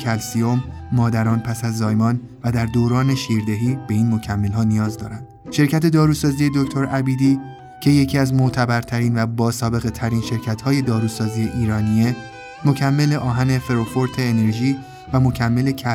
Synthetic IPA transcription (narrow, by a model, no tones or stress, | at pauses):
ælsiomːɒːd̪æɾɒːnpʰæsæzːɒːjmɒːn | væd̪æɾd̪oːɾɒːne̞ʃiːɾd̪e̞ɦiːb̥e̞iːnmo̞cʰæmːe̞lɦɒːnijɒːzd̪ɒ̰ːɾænd̥̪ʃe̞ɾcʰæt̪ʰe̞d̪ɒːɾuːsɒːzije̞d̪o̞ct̪ʰo̞ɾʔæbiːd̪iː | cʰe̞je̞cʰiːæzmot̪ʰæbæɾt̪ʰæɾiːnvæbɒːsɒːbe̞ɣe̞t̪ʰæɾiːnʃe̞ɾcʰæt̪hɒːje̞d̪ɒːɾuːsɒːzijeʔiːɾɒːnie̞ | mo̞cʰæmːe̞le̞ʔɒːɦæne̞fe̞ɾofo̞ɾt̪ʰe̞ːne̞ɾʒiː | væmo̞cʰæmːe̞le̞cʰæ